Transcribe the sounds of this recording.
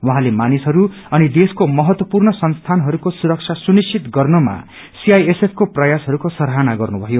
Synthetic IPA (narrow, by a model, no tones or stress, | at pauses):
waɦãlemanisɦʌɾu | ʌnid̪eskomʌɦʌt̪wʌpurnʌsʌnst̪ʰanɦʌɾukosuɾʌk̚t͡ʃʰasunist͡ʃʰit̪ɡʌrnʌma̰ | siajesepʰkoprʌjasɦʌɾukosʌɾɦanaɡʌrnubʱʌjo